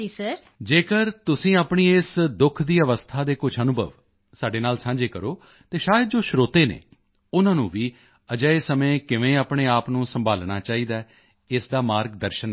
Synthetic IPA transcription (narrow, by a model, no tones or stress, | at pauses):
d͡ʒiːsə | d͡ʒeːkəɾt̪ʊsĩːaːpɳiːɪsd̪ʊkʰd̪iːəʋəst̪ʰaːd̪eːkʊt͡ʃʰənʊbʱə̰ʋ | saːɖeːnaːlsãːd͡ʒeːkəɾoː | t̪eːʃaːjəd̪̚d͡ʒoːʃɾoːt̪eːnḛː | ʊnãːnũːʋiː | əd͡ʒəeːsəmẽːkɪʋẽːaːpɳeːaːpnũːsəmbʱaːlɳaːt͡ʃaːiːd̪aː | ɪsd̪aːmaːɾɡ̚d̪əɾʃən